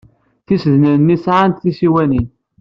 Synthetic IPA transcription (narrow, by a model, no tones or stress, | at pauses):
θisðnənːisʕant̪θisiwænin